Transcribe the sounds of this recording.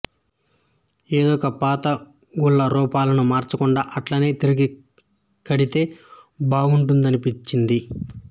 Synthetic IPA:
eːd̪ɔːkɐpaːt̪ɐ | ɡuɭːɐɾɔːpaːlɐnumaːɾt͡ʃɐkuɳɖaːʔɐʈlɐne̞ːt̪iɾiɡi | kɐɽit̪e̞ːbaːɡuɳʈund̪ɐnipit͡ʃːind̪i

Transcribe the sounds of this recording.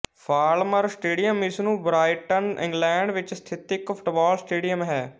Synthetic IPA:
pʰaːlməɾsʈeːɖijəmɪsnũːbɾaːɪʈənɪ̰̃ŋɡlɛ̃ːɳɖʋɪt͡ʃst̪ʰɪt̪ɪkpʰʊ̥ʈbɔːlsʈeːɖijəmɦɛː

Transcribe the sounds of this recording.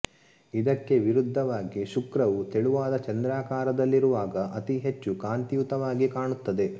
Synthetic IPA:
id̪ɐkːe̞ʋiɾud̪ʱːɐʋaːɡiʃukɾɐʋut̪eɭuʋaːd̪ɐt͡ʃɐnd̪ɾaːkaːɾɐd̪ɐlːiɾuʋaːɡɐʔɐt̪iɦe̞t͡ʃːukaːnt̪ijut̪ɐʋaːɡikaːɳut̪ːɐd̪e̞

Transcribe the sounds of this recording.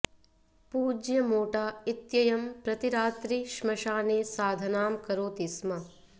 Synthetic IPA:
puːd͡ʒjɐmoːʈaːit̪jɐjɐmpɾɐt̪iɾaːt̪ɾiʃmɐʃaːneːsaːd̪ʱɐnaːmkɐɾoːt̪ismɐ

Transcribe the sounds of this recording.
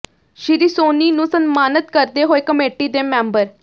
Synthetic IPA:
ʃɪɾiːsoːniːnũːsənmaːnət̪̚kəɾd̪eːɦoːeːkəmeːʈiːd̪eːmɛ̃ːmbəɾ

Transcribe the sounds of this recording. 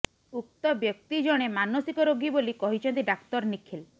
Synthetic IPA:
uk̚t̪ɔbjɔk̚t̪id͡ʒɔɽ̃emanosikɔɾoɡibolikɔɦit͡ʃʰɔnt̪iɖakt̪ɔɾnikʰil

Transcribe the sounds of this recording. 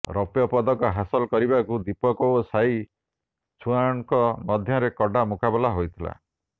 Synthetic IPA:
ɾɔpjɔpɔd̪ɔkɔɦasɔlɔkɔɾibakud̪ipɔkɔosaj | t͡ʃʰuaŋkɔmɔd̪ʱjɔɾekɔɖamukabɔlaɦojt̪ʰila̰

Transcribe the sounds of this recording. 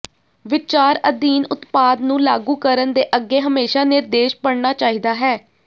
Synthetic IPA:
ʋɪt͡ʃaːɾəd̪iːnʊt̪paːd̪nũːlaːɡuːkəɾənd̪eːʔəɡːeːɦəmeːʃaːnɪɾd̪eːʃpəɽnaːt͡ʃaːɦiːd̪aːɦɛː

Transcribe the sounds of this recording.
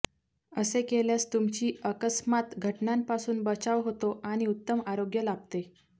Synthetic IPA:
əsekeljast̪umt͡ɕiːəkəsmat̪ɡʱəʈnampasuːnbət͡saʋɦot̪oʔaɽ̃iut̪ːəmaɾoɡjəlab̚t̪e

